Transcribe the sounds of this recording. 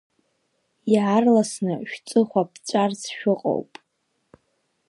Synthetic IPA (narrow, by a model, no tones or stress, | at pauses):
jarlasnɨʃᶣt͡sʼɨχʷapʰt͡sʷʼart͡sʰʃᶣʊqʼo̰wpʼ